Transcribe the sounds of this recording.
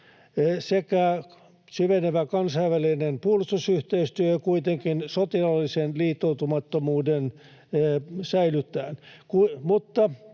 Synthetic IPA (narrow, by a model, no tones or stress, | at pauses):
sekæ | syʋeneʋækɑnsɑiʋʋælinenpuolust̪usyht̪eiyst̪yøjɑkuit̪eŋkinsot̪ilɑlːisenliːt̪ːout̪umɑt̪ːomuːden | sæilyt̪ːˑæːnkuimut̪ːɑ